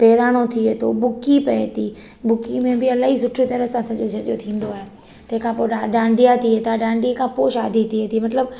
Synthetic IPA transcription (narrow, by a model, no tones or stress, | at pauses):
peːɾaːɽ̃ot̪ʰiet̪ʰobʊkipɐet̪i | bʊkimẽbɪɐlaːɦisʊʈʰɾit̪ɐɾəɦsãt̪ʰɐ̃ɲod͡ʑʰɐʄjot̪ʰĩːn̆d̪oaːɦe | t̪ɐ̃ɦɪ̃kʰãpoːaɗãːɳɖijat̪ʰiet̪ʰaɗãːɳɖikʰãpoːʃaːd̪ʱit̪ʰiet̪ʰimɐt̪ləb